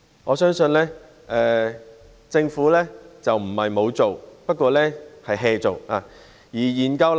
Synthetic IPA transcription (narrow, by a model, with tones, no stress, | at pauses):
ŋɔː˨˧sœː˥ŋsɵ˧nlɛː˥ | ʔɛː˧ | t͡sɪ˧ŋfuː˨˥lɛː˥t͡sɐ˨wm̩˨˩hɐ˨jmo˨˧wt͡so˨wpɐ˥t̚kʷɔː˧lɛː˥hɐ˨jɦɛː˧t͡so˨waː˨˧ | jiː˨˩jiː˨˩nkɐ˧wl